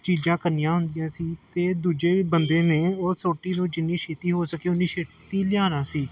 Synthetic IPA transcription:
t͡ʃiːd͡ʒãːkəɾnɪjãːɦʊnd̪ɪjãːsiːt̪eːd̪uːd͡ʒeːbənd̪ẽːneːoːsoːʈiːnũːd͡ʒɪnːiːʃeːt̪iːɦoːsəkeːʊnːiːʃeː | t̪iːlɪjaːnãːsiː

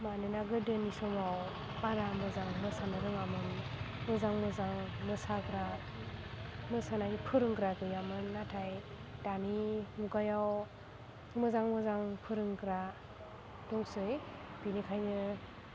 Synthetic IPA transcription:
manɯnaɡɯdɯnisɔmaw | baɾamɯzaŋmɯsanɯɾɯŋamɯn | mɯzaŋmɯzaŋmɯsakɾa | mɯsanaipʰɯɾɯŋkɾaɡɯjamɯnːatʰaj | danimuɡajaw | mɯzaŋmɯzaŋpʰɯɾɯŋkɾa | dɔŋsɯj | b̥inikʰajnɯ

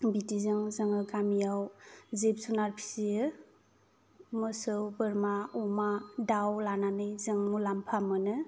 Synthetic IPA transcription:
bitizɯŋzɯŋɯɡamijawzep̚sunaɾpʰi̥sijɯ | mɯsɯwbɯɾmaumadawlananɯjzɯŋmulampʰamɯnɯ

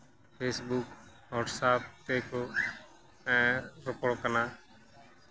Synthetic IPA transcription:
pʰeːsbuːk | ɦoːʈsaːp̚t̪eːkoː | ɛ̃ːɾəpoɽkənaː

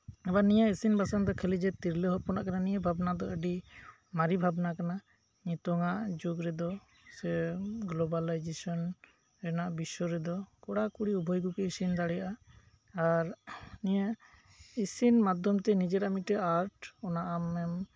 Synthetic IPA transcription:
ɛbanijaisinbʱasand̪ɔkʰɛlid͡ʒɛt̪iɾləɦɔɾpɔnaʔkananijabʱabnad̪ɔəɖi | maɾibʱabnakana | ɲit̪ɔŋaʔd͡ʒoɡɾɛd̪ɔ | sɛɡlɔbalajd͡ʒesɔn | ɛnaʔbisɔɾɛd̪ɔkɔɽakuɽiubʱɔjɡukɛisind̪aɽɛjaʔa | aɾnija | isinmad̪ʱjɔmt̪ɛnid͡ʒeɾamiʈɛaɾʈɔnaʔamɛm

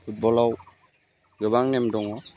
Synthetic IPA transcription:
pʰut̚bɔlaw | ɡəβaŋnɛmdɔŋɔ

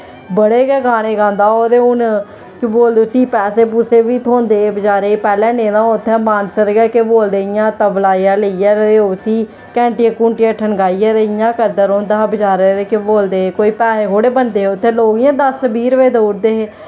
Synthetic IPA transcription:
bəɽeːɡɛːɡaːɽ̃eːɡãːnd̪aːoːd̪eːʊn | kɪboːld̪eːʊsiːpɛːseːpʊseːʋiːt̪ʰõːnd̪eːbəd͡ʒaːɾeːeːpɛːlɛ̃ːnẽːd̪ãːʊt̪ʰːɛ̃ːmaːnsəɾɡɛːkeboːld̪eːɪjãːt̪əblaːijãːləijaːɾeosiː | kɛ̃ːɳʈiãːkuːɳʈɪjãːʈʰənɡaːijaːd̪eɪjãːkəɾd̪əɾõːnd̪aːbəd͡ʒaːɾed̪eːkeboːld̪eːɦeːkoːiːpɛːseːkoːɽeːbənd̪eːeːʊt̪ʰːẽːloːɡɪjãːd̪əssəbiːɾʋeːd̪oːɾd̪eːɦeː

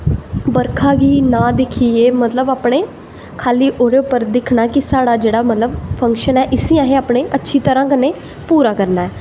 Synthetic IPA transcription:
bəɾkʰaːɡiːnãːd̪ɪkʰiːeːmət̪ləbaːpɽeː | kʰaːliːʔoːɾeʊpːəɾd̪ɪkʰnaːkɪsaːɽaːd͡ʒeːɽaːmət̪ləbpʰə̃ŋkʃənɛːʔɪsiːãːɦeːaːpɽeːʔətːʃʰiːt̪əɾãːkənːeː | puːɾaːkəɾnaːɛː

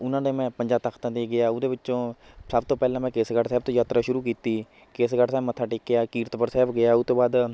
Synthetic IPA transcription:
ʊnãːd̪eːmɛ̃ːpəɲd͡ʒaːt̪akʰt̪ãːd̪eːɡɪaːʊd̪eːʋɪt͡ʃːʃõː | səbt̪õːpɛːlãːmɛ̃ːkeːsɡəʈsɛːb̚t̪õːjaːt̪ɾaːʃʊɾuːkiːt̪iː | keːsɡəʈsɛːmət̪ʰːaːʈɪːkːeaːkiːɾt̪pəɾsɛːbɡɪaːʊt̪ːõːbaːd̪

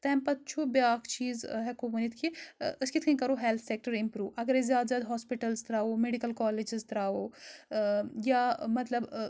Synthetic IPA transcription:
t̪ɛːmpɐt̪̚t͡ʃʰubjaːkʰt͡ʃiːzɦɛkoʋɐnit̪ʰkʰiəskit̪ʰkʰənʲkɐɾoɦelt̪ʰsek̚ʈəɾimpɾuːʋɐɡəɾezjaːd̪zʲjaːd̪ɦɔːspiʈɐlzt̪ɾaːomeɖikɐlkɔːled͡ʒɪzt̪ɾaːo | jamɐt̪lɐb

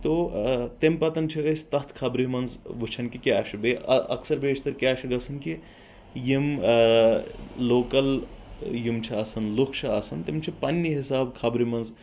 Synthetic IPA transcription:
t̪ot̪empɐt̪ɐnt͡ʃʰiɐsʲt̪ɐɦt̪ʰkʰɐbɾimɐnzʋut͡ʃʰɐnkikʲaːʃibeɐ̰ɐ̰ksɐɾbʱeːt͡ʃʰt̪ɐɾkʲaːʃʰiɡɐsɐnki | jim | loːkɐljimt͡ʃʰiɐsɐnlukʰʃʰɐɐsɐnt̪emt͡ʃʰipɐnʲːiɦisaːbkʰɐbɾimɐnz

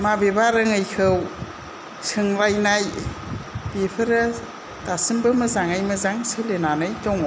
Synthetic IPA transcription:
mabebaɾɯŋɯjkʰɯw | sɯŋɾajnaj | bepʰɯɾɯ | tasɯmbɯmɐzaŋajmɐzaŋsɯlenanɯjtɔŋ

